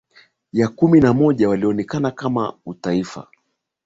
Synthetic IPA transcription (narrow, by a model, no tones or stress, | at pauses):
jakuminamɔʄawaliɔnɛkanakama̰utaifa̰